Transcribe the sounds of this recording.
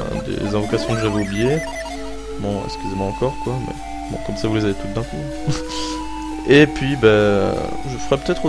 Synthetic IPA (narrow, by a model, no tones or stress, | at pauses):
d̪ḛzɛ̃vɔkasjɔ̃d̪əʒaveobije | bɔ̃ɛ̰kskʲyzemwaɑ̃kɔʁkwamɛ̰ | bɔ̰̃kɔmsavulezavet̪uld̪ɛ̃ku | epɥiba̰ | ʒəfəʁɛpø̥t̪ɛt̪χo